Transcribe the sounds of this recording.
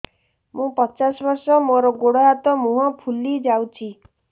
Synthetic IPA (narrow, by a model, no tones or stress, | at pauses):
mũpɔt͡ʃasɔbɔɾsɔmoɾɔɡoɽɔɦat̪ɔmũɦɔ̃pʰulid͡ʒawt͡ʃʰi